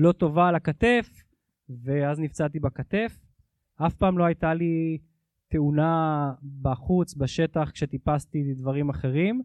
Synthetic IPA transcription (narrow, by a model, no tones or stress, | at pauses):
lo̞t̪o̞vaːlakat̪e̞f | veaznivt͡sat̪ibakat̪e̞f | afpaːmlo̞ajt̪ali | t̪e̞unabaχut͡sbaʃe̞t̪aχkʃe̞t̪ipast̪id̪vaʁimaχe̞ʁim